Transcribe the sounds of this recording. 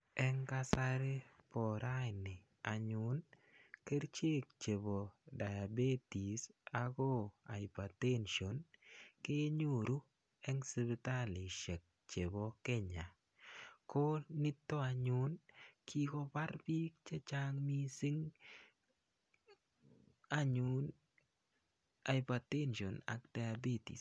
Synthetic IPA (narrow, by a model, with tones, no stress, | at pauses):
ɛ˦ŋka˦sa˦ɾe˦pɔ˨ɾʔa˦˨nɪ˨ | a˨ɲʊ˨n | ke˦ɾt͡ʃe˦k̚t͡ʃe˨bo˨da˨ja˨be˦ti˨sa˦ɡɔ˦a˨ɪ˨pa˨te˦nʃo˨nkɪ˦e˦ɲo˦˨ɾu˦ | ɛ˦ŋsi˦bi˦ta˦lɪ˨ʃɛ˨k̚ | t͡ʃe˨bo˨˦ke˦ɲa˨ | ko˦ni˦tːo˦a˨ɲʊ˦nkʰi˦kɔ˦pa˦ɾpi˦k̚t͡ʃe˦t͡ʃa˦ŋmi˦si˦ŋ | a˦ɲʊ˨˦n | a˨ɪ˨pa˨te˦nʃɔ˨na̰˦kd̥a˨ja˨be˦tḭ˨s